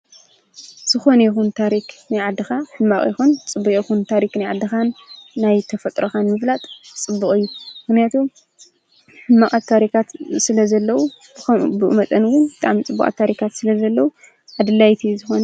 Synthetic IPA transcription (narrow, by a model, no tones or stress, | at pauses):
z̥ɨxo̞nɐjixunt̪ʰaɾiknajʕad̪ːɨxaħɨnmakʼjixunt͡sʼɨbːukʼixunt̪ʰaɾiknajʕad̪ːɨxanːajt̪ʰɐfɐt̪ʼɾoxanmɨflat̪ʼt͡sʼɨbːuχʼijːumɨxnijat̪ʰum | ħɨnmakʼat̪ʰːaɾikʰat̪sɨlɐzɐlːɐwu | bɨmɐt̪ʼɐnwʊnbɨt̪ʼa̰ʕmit͡sʼɨbːukʼa̰t̪ʰːaɾikʰat̪sɨlɐzɐlːɐwu | ʕad̪ɨlːajt̪ʰizɨxonɐ